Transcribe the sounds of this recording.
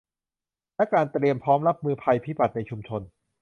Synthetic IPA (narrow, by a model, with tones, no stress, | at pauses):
lɛ˦˥kaː˧nt̪ɾi˧əmpʰɔː˦˥mɾa˦˥p̚mɯː˧pʰa˧jpʰiː˦˥ba˨˩t̪̚na˧jt͡ɕʰu˧mt͡ɕʰo˧n